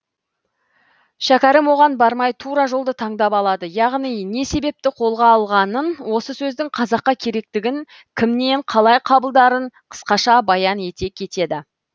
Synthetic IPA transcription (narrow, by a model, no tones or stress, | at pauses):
ʃækʲɑɾəmwo̞ʁɑnbɑɾmɑjt̪ʰuɾɑʒo̞lˠd̪ət̪ʰɑɴd̪ɑpɑlˠɑd̪əjɑʁnijne̞se̞be̞p̚t̪ɪqʰo̞lˠʁɑːlˠʁɑnənwo̞səsɵzd̪ɪŋqʰɑzɑqːɑkʲʰe̞ɾe̞k̚t̪ɪɡʲɪŋ | kʲʰɪmne̞ɴqʰɑlˠɑjqʰɑbəlˠd̪ɑɾəɴqʰə̥sqɑʃɑbɑjɑne̞t̪e̞kʲʰe̞t̪e̞d̪ɪ